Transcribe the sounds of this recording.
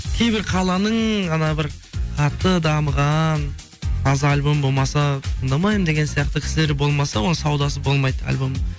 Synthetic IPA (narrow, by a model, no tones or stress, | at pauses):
kʲʰe̞jbɪɾqʰɑlˠɑnəɴɑnɑbɪɾqʰɑt̪ːəd̪ɑməʁɑn | qʰɑzəɾɑlʲbo̞mbo̞lˠmɑsɑt̪ʰəɴd̪ɑmɑjəmd̪e̞ɡʲe̞nsijɑqt̪əkʲʰɪ̥sɪleɾbo̞lˠmɑsɑwo̞nəsɑwd̪ɑs̬əbo̞lˠmɑjd̪ɑ̰lʲbo̞m